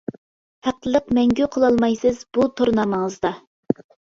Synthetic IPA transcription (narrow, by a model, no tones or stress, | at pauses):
hæq̚t̪əlˠəq̚mɛŋɡʲyqʰəlˠɑlˠmɑjsɨzbut̪ʰoɾnɑməŋəzd̪ɑ